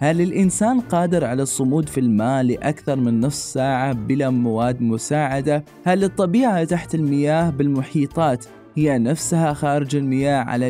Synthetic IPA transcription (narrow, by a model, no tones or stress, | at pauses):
halɪlʔɪnsaːnqɑːd̪ɪɾʕalasˤːʊmuːd̪filmaːlːɪʔakθɑɾˤmɪnːʊfsˤsaːʕabɪlamawaːd̪ːmʊsaːʕad̪a | halɨt̪ˤːɑbiːʕat̪aħt̪ɪlmɪjaːhbɪlmʊħiːt̪ˤɑːt̪ | hɪjːanafshaxaːɾɪd͡ʒɪlmɪjaːhʕa̰la